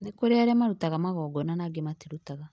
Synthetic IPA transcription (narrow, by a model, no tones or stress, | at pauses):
nekoɾeaɾamaɾutaɣamaɣɔːɡɔnanaɡematiɾutaɣa